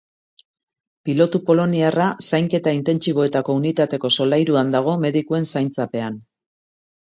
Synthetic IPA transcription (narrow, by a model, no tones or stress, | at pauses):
pilo̞t̪upo̞lo̞niarasajŋke̞t̪aint̪e̞nt͡ʃiβo̞e̞t̪ako̞unit̪at̪e̞ko̞so̞lajɾuand̪aɣ̞o̞me̞ð̞ikue̞nsajnt͡sape̞an